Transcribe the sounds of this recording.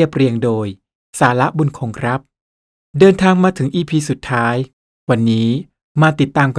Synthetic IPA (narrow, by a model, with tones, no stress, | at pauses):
əp̚ɾi˧əŋdoː˧j | saː˩˦la˦˥ʔbu˧nkʰoː˧ŋkʰɾa˦˥p̚ | dɤː˧nt̪ʰaː˧ŋmaː˧t̪ʰɯ˩˦ŋʔiː˧pʰiː˧su˨˩t̪ʰːaː˦˥j | wa˧nːiː˦˥ | maː˧t̪i˨˩t̪ːaː˧mk